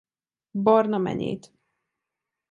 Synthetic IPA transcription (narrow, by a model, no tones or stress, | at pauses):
bɒrnɒmɛ̰ɲḛːt̪